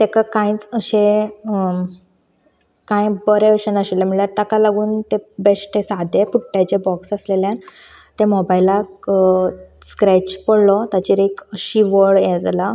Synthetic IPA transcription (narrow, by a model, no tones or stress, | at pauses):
t̪ekakãĩt͡səɕẽ | kãjbəɾeəɕənəɕeljam̤iɭljaɾt̪akalaɡuːnt̪ebeʂʈʰesad̪epuʈːat͡ɕebɔksəsleljãn | t̪emɔbailak | skɾɛt͡ɕpəɽlɔt̪at͡ɕiɾekəɕiʋəɭjed͡zla